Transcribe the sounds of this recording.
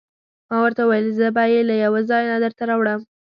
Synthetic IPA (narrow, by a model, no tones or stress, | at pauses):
mɑwəɾt̪awajəlzəbɑjelajawazɑjnad̪əɾt̪aɾɑwɽəm